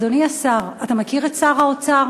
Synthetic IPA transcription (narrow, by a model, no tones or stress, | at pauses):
doniasaʁatamakiʁetsaʁaot͡saʁ